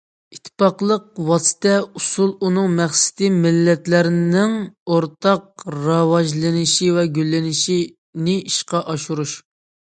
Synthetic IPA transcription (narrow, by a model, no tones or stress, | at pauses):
it̪ʰːɪ̥pɑqlˠəq̚wɑsɨ̥t̪ʰɛusulˠunɨŋmæχsɪ̥t̪ɪmɪlːɛt̪læɾnɪŋoɾt̪ʰɑq̚ɾɑwɑʒlˠɨnɪʃivɛɡʲylːɪnɪʃi | nɪiʃqɑʔɑʃuɾuʃ